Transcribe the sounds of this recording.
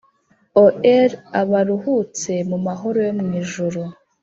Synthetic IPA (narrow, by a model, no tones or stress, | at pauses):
oeɾaβaɾuhuːt͡se̞mumaɦo̞ɾo̞jomŋiːʒuɾo